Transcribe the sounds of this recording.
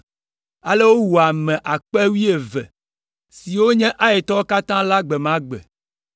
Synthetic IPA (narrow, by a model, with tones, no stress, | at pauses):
a˨le˦wo˦wu˨a˨mɛ̃˨ʔa˨k͡pɛ˦wi˦e˨vɛ̰˨ | si˨wo˦ɲɛ̃˦ʔa˦e˨t̪ɔ˦o˦ka˦t̪ã˦la˦ɡ͡bɛ˨mã˦ɡ͡bɛ̰˨